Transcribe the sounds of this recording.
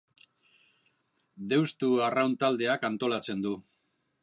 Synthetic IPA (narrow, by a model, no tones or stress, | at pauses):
d̪e̞wst̪uarawnt̪ald̪e̞akant̪o̞lat͡se̞nd̪u